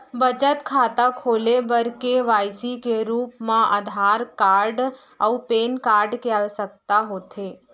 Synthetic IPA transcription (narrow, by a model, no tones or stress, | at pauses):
bət͡ʃət̪kʰaːt̪akʰoːlebəɾkeʋaːjsikeɾuːpmãʔəd̪ʱaːɾkaːɾɖ | ə̰upeːnkaːɾɖkeaʋesək̚t̪aɦoːt̪ʰeː